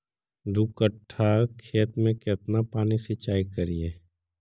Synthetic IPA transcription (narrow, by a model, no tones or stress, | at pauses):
d̪uːkəʈʰːakʰeːt̪mẽkɪt̪napaːnisɪt͡ʃaːikəɾieː